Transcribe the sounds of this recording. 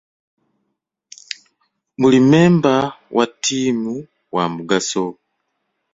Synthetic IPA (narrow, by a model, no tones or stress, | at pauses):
mulimeːmbawʔatʰiːmu | wamuɡaso